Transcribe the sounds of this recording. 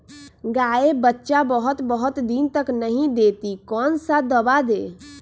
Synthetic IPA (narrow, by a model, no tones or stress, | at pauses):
ɡaebətːʃabəɦʊt̪bəɦʊt̪d̪int̪əknəɦĩd̪et̪ikɔːnsad̪əbad̪e